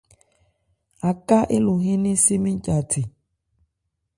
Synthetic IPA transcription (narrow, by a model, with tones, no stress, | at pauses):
a˨ka˦ʔɪ˦lʊ˨ɦɪ˦ni˦si˦mi˦cʼa˨tʰi˨